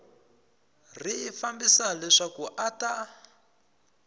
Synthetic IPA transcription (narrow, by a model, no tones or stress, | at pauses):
riːfambisalɛʂakuʔata